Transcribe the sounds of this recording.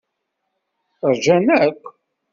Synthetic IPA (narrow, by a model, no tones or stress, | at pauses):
əɾˤʒænækʷː